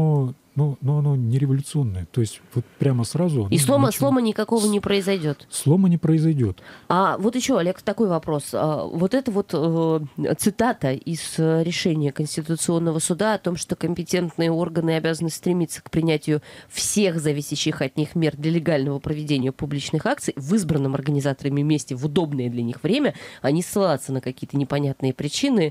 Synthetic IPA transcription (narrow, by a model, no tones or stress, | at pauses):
o | nonoɐno̞nʲɪɾʲɪvɐlʲʊt̪sɨo̞nːəjət̪oɪsʲtʲvot̪̚pɾʲaməsɾazʊɐnislˠoməslˠo̞mənʲɪkɐko̞vənʲɪpɾəɪzɐjdʲo̞t̪slˠo̞mənʲɪpɾəɪzɐjdʲo̞t̪avo̞t̪jɪɕːo̞ɐlʲe̞kt̪ɐko̞jvɐpɾo̞sə̰vo̞t̪ɛt̪əvo̞t̪ət̪sɨt̪at̪əʔɪz̥ɾʲɪʂɛnʲɪjəkənʲsʲtʲɪt̪ʊt̪sɨo̞nːəvəsʊd̪aɐt̪o̞mʂt̪o̞kəmʲpʲɪtʲe̞nt̪nɨjəo̞rɡənɨɐbʲazənɨst̪ɾʲɪmʲit̪sːə̥kpɾʲɪnʲætʲɪjʊfsʲe̞xzɐvʲisʲɪɕːɪxɐt̪nʲixmʲe̞rd̪lʲəlʲɪɡalʲnəvəpɾəvʲɪdʲenʲɪjəpʊblʲit͡ɕnɨxak̚t̪sɨjvɨzbɾənːɨmɐ̰rɡənʲɪzat̪əɾəmʲɪmʲesʲtʲɪvʊd̪o̞bnəjəd̪lʲɐnʲixvɾʲemʲəɐnʲisːɨlˠat̪sənəkɐkʲijət̪ənʲɪpɐnʲat̪̚nɨjəpɾʲɪt͡ɕinɨ